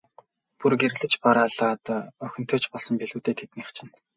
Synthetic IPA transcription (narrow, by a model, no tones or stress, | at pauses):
purɡerɮɘ̆t͡ɕpaɾaːɮːt̪œxʲɪ̆n̥t̪ʰœːt͡ɕpɔɮsɞ̆mpeɮuːt̪eːt̪ʰet̪niχt͡ɕʰɪ̆n